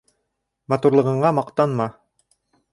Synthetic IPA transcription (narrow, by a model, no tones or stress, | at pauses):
mɑt̪uɾlˠɤ̆ʁɤ̆ɴɑmɑqt̪ɑnmɑ